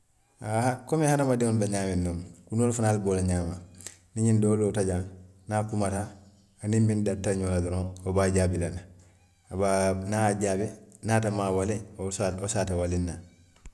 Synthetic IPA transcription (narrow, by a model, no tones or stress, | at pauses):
ahakomehanamadiŋonbaɲaːmenːoːnkunolfunaːlbolaɲaːma | niɲindoːlotaɟan | nakumataː | nimbindatːaɲoladuɾoːobaɟaːbilana | abanaɟabenatamaːwalesaosaːtawalinːa